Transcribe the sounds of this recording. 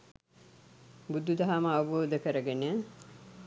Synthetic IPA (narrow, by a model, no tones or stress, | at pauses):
bud̪ʱːud̪ɐɦaməɐʋboːd̪əkəɾəɡenə